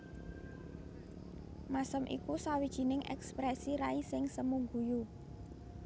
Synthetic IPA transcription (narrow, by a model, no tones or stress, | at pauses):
masəmʔḭkusawid̥ʒ̥i̤nɪŋʔɛ̰kspɾɛsiɾaisɪŋsəmuŋɡuju